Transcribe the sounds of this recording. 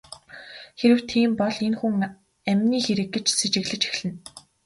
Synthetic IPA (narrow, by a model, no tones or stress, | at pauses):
xeɾɘ̆w̥t̪ʰiːmpɔɮenxuŋ | æmʲniːxeɾɘ̆kːet͡ɕset͡ɕɘ̆ɣɮɘ̆t͡ɕe̥xɮɘ̆n